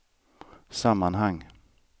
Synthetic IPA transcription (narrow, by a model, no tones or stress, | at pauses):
samːanɦaŋː